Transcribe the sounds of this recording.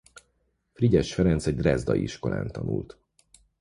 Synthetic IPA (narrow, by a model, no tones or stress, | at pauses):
friɟɛʃfɛɾɛnt̪sɛɟd̪rɛzd̪ɒjiʃko̞la̰ːnt̪ɒnult̪